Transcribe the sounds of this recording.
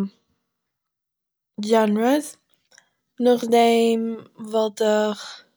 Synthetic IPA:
d͡ʒɛnɹəs | nʊχdeɪmvɔlˠtəχ

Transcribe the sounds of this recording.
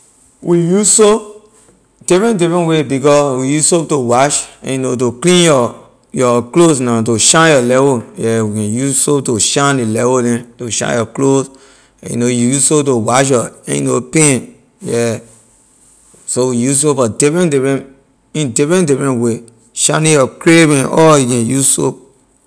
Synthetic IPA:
wʔijusso | d̥ifɹɛ̃ndifɹɛ̃nwebikɔwijusotowaʃɛ̰̃njnot̬oklĩnjɔ | jɔklosnãt̬oʃãnjɔlɛvojɛwikɛ̃njusotoʃãndilɛvodɛ̃toʃã̰njɔklos | ɛ̰̃jṵnojujusop̚towaʃ̬jɔɛ̰̃j̰nopẽn | jɛ | sowijusopɔdifɹɛ̃ndifɹɛ̃ | ĩndifɹɛ̃ndifɹɛ̃nwe | ʃãnĩjɔkɹebɛ̃nɔjukɛ̃njuso̰p̚

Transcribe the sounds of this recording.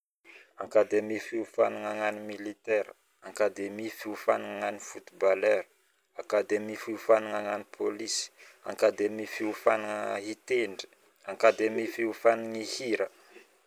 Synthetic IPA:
aŋkad̪emifiufanuŋaŋanimilit̪ɛɾə | aŋkad̪emifiufa̰nuŋaŋanifut̪ibalɛɾə | akad̪emifiufanuŋaŋanipʰolisi̥a̰ŋkad̪emifiufanuŋit̪eɳɖ͡ʐi̥ | aŋkad̪emifiufaniŋihiɾə

